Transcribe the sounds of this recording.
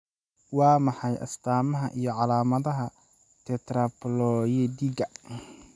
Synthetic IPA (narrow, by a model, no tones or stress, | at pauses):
wɑːmɑħɑjʔɐ̰st̪ʰaːmɐɦɐʔijɞʕɑlaːmɐðɐɦɐ | t̪ʰɛt̪ʰɾɐplɔjɛd̪iɡɐ